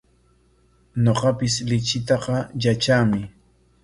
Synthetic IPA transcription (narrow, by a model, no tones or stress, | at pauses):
ɲoqɑpɪslɪt͡ʃɪt̪ɑqɑjat͡ʃaːmɪ